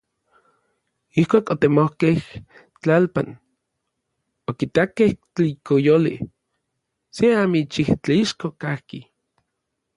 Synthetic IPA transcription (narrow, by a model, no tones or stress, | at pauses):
ihkʷaːkot̪emohkeh | t͡ɬalpa̰n | okit̪akeht͡ɬikojolḭ | seamit͡ʃiht͡ɬaiʃkokahki